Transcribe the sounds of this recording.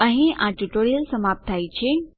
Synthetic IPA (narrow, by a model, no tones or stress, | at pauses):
ə̃ɦĩʔãʈuʈoːɾijəlsɐmaːp̚t̪ʰaːit͡ɕʰeː